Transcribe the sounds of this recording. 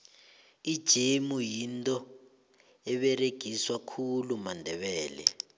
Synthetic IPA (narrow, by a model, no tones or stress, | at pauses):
id̥ʒ̥ʱemujintʼɔ | ɛɓɛreɡ̥ʱiswakʰulumandʱɛɓɛːlɛ̰